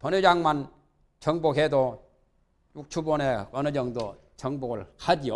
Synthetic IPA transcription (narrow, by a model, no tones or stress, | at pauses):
pʌnɯd͡ʑaŋman | t͡ɕʌŋboɦedo | juk̚t͡ɕʰubʌneʌnɯd͡ʑʌŋdo | t͡ɕʌŋboɡɯɭhad͡ʑijo